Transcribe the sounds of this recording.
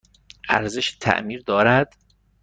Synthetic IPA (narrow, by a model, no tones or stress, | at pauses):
ʔæ̰ɾzeʃt̪ʰæ̰ʔmiːɾd̪ɒːɾæd̪̥